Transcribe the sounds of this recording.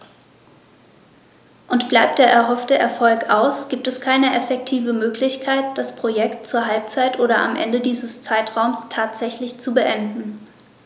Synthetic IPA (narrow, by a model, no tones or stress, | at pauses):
ʔʊntb̥laɪp̚td̥eːɐɛɐɦɔftəʔɛɐfɔlkaʊsɡ̥iːp̚tɛskʰaɪnəʔɛfɛk̚tʰiːvəmøːklɪçkʰaɪt̚d̥aspʁ̥ojɛktt͡suːɐɦalp̚t͡saɪtʔoːɾɐʔa̰mʔɛ̰ndədiːzəst͡saɪtʁ̥aʊmstʰaːtz̥ɛçlɪçt͡subəʔɛndn̩